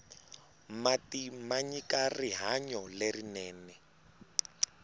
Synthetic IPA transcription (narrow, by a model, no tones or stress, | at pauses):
matimaɲikariɦaɲɔlerinɛːnɛ